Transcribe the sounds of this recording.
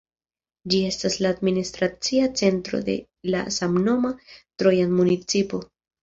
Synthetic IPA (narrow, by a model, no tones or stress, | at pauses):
d͡ʒie̞staslaːdministɾat͡siat͡se̞ntɾo̞̰de̞̰ | la̰samno̞matɾo̞janmunit͡sipo̞